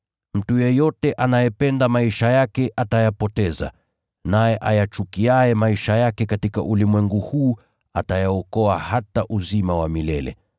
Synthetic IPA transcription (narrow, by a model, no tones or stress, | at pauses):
m̩tujɛjɔtɛʔanajɛpɛndamaiʃajakɛʔatajapɔtɛza̰ | najɛʔajat͡ʃukiaɛmaiʃajakɛkatika̰ʔulimwɛŋɡuhuː | atajaɔkɔahataʔuzimawamilɛlɛ̰